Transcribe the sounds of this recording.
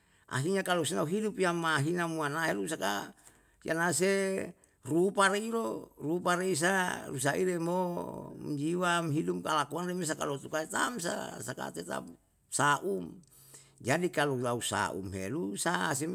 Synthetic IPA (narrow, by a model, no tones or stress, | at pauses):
ʔa̰ɦiɲakalosenauɦidupiamaɦinamuanaɦelusaka̰ | jʔa̰nas̬e | rupaɾeiɾorupaɾeis̬arus̬aʔḭɾemom̰d͡ʒiwamɦidupkalakuanremes̬aka̰lot̪ukait̪a̰ms̬a̰saka̰t̪ɛt̪a̰p | saʔum | d͡ʒadikalutausa̰ṵmɦḛlusas̬e